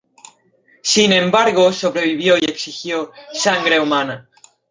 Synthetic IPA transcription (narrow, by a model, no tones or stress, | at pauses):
sinẽ̞mbaɾɣoso̞β̞ɾe̞β̞iβ̞jojeksixjosaŋɡɾe̞umana